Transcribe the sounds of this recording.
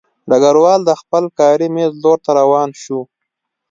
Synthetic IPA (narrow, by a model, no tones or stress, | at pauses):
ɖaɡaɾwɑːld̪əxpəlkɑːɾimezloɾt̪aɾawɑːnʃu